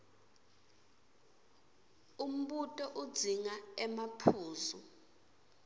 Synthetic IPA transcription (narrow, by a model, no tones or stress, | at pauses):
um̩ɓutʼɔʔud̥z̥ʱiŋaɛmapʰuːzɔ